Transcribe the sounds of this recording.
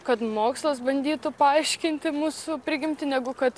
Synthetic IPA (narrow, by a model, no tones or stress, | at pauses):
kɐt̪moːkslˠɐs̬bɐnʲd̪ʲiːt̪ʊpɐɐɪʃʲkʲɪnʲt̪ʲɪmuːsʊpʲɾʲɪɡʲɪmʲt̪ʲɪnʲɛɡʊkɐt̪